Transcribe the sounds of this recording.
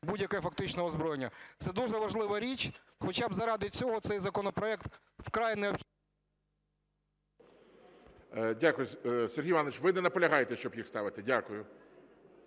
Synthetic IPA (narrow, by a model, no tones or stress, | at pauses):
budʲjɐkɛɛfɐkt̪ɪt͡ʃnɔɔzbɾɔjenʲːɐt̪sɛd̪uʒɛʋɐʒlˠɪʋɐɾʲit͡ʃʲ | xɔt͡ʃɑbzɐɾɑd̪ɪt͡sʲɔɦɔt̪sɛjzɐkɔnɔpɾɔɛkt̪ | wkɾɑjineɔpxʲi | dʲakʊjʊsɛrɦʲijɪʋɑnɐʋɪt͡ʃʋɪnɛnɐpɔlʲɐɦɑjet̪ɛʃt͡ʃɔbjixst̪ɑʋɪt̪ɪdʲakʊjʊ